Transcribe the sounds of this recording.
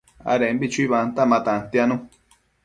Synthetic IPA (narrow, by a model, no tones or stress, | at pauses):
a̰ɾẽmbit͡ʃuiβant̪amãt̪ãt̪ianũ